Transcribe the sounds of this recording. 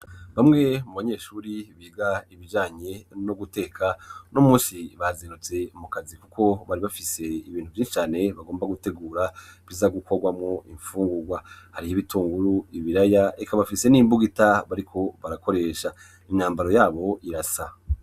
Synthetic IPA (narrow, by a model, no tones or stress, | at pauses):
βamŋe̞muβaɲe̞ːʃuːɾiβiːɡaiβid͡ʒaːɲe̞no̞ɡute̞ːkʰanomũːnsiβazeɾut͡se̞mukazikukʰo̞βaɾiβafise̞iβiːn̥huvjiːnʃi̥t͡ʃaːne̞βaɡo̞ːmbaɡute̞ɡuːɾaβizaɡuko̞ɡwamŋo̞ʔiɱfuːŋɡuɡwahaɾihiβituːŋɡuɾuiβiɾajaekaβafise̞niːmbuɡitaβaɾikʰo̞βaɾako̞ɾe̞ːʃa | inaːmbaɾo̞jaːβo̞ʔiɾasa